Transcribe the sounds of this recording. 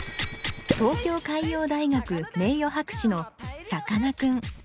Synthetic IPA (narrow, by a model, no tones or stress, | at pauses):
t̪o̞ːkʲo̞ːkaijo̞ːd̪aiɡakɯ̟me̞ːjo̞ɦakɯ̟̥ɕino̞sakanakɯ̟̃ŋ